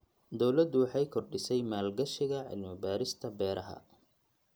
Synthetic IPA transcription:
d̪ɔwlɐd̪ʊwɑħɑjkʰɔrɖɪsɛjmaːlɡɐʃɪɣɐʕɪ̰lmɪbaːɾɪst̪ʰɐbɛːɾʔɐɦɐ̰

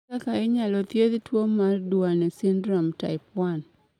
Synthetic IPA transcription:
akaɪɲalɔt̪jed̪twomardwanɛsindɾɔmta̰ɪpwan

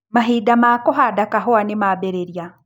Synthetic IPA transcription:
maɦiːdamaːkɔɦadakaɦɔanemaːbɛɾeɾja

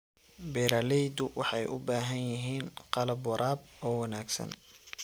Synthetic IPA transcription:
bɛːɾalɛjd̪ʊwɑħɑjʔʊbaːɦɐnjɪɦiːnqɑlɐbwɑɾʔaːbɔːwɑnaːɡsɐ̰n

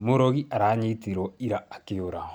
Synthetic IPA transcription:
moɾɔɣiʔaɾaːɲitiɾɔiɾaːkeoɾa

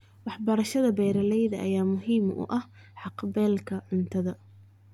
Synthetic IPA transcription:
wɑħbɐɾɐʃɐðɐbɛːɾɐlɛjðɐʔɐ̰jaːmʊɦiːmʔʊ̰ʔɐh | ħɑqbɛːlkʰɐʕʊnt̪ʰɐðɐ

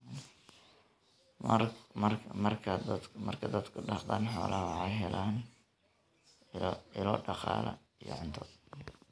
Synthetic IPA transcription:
mɐrʰmɐrkʰɐd̪mɐrkʰɐd̪ɐd̪kʰʊɖɑd̪aːnħɔːlʔɐhɐwɑħɑjɦɛlaːn | ɪlɔːɖɑqɑːlɐ̰ | ijɔ̰ʕʊnt̪ʰɔ

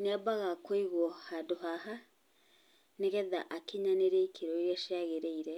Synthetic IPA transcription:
nɛbaɣakoiɣwɔhadoɦaɦa | neɣɛða̰ʔakiɲaneɾeikʰeɾɔiɾɛʃeaɣeɾeiɾɛ

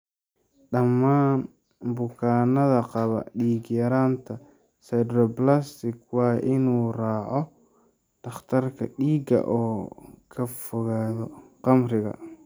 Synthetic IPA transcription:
ɖɐmːaːn | bʊkʰaːnɐðɐqɑβɐ̰ɖiːɡjɐɾaːnt̪ʰɐ | sɛdrɔblast̪ɪkʰwɑːʔɪnuːraːʕɔ | d̥̪ɐχt̪ʰɐrkʰɐ̰ɗiːɡɐ̰ʔɔːkʰɐfɔɣaːðɔqɑmrɪɣɐ̰

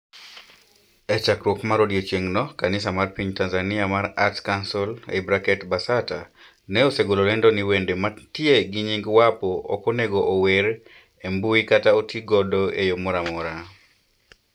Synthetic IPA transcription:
ɛt͡ʃakɾwɔkmaɾodiot͡ʃjeŋnɔkanɪsamarpiɲtanzaniamaɾatkansɔlḛbɾakɛtbasata | nɛoseɡololendoniwendematjeɡiɲiŋɡwapɔɔ̰koneɡoʔoweɾ | embuikataotiɡɔdoejomɔɾamɔɾa

